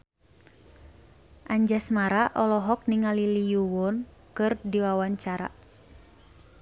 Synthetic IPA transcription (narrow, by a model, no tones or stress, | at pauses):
ʔaɲd͡ʒasmaɾaʔɔlɔɦɔk̚niŋalilijuwɔnkɨrdiwawaɲt͡ʃaɾa̰